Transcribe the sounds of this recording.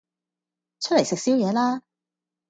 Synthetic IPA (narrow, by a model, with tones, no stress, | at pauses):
t͡ʃʰɵ˥t̚le˨˩jsɪ˨k̚siː˥wjɛː˨˧laː˥